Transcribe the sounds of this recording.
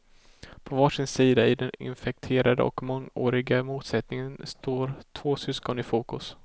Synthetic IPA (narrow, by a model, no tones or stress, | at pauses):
pʰɔvɑːʂɪnsiːd̪aɪd̪ɛnɪ̰nfɛk̚t̪ʰeːɾad̪ə̰ʔɔ̰kmɔŋo̰ːɾɪɡamuːt̪sɛt̪nɪŋənst̪oːɾt̪ʰvoːsʏskɔnɪfuːkɵs